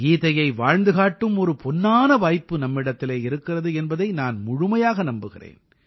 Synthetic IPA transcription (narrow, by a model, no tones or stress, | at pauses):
iːðɐjɐɪʋaːɻnd̪ɯɣaːʈːɯmɔɾɯpɔnːaːnɐʋaːjpːɯnɐmːɪɽɐt̪ːɪleːɪɾɯkːɪrɐðɯɛnbɐðɐɪnaːnmʊɻʊmɐjaːɣɐnɐmbɯɣɪrḛːn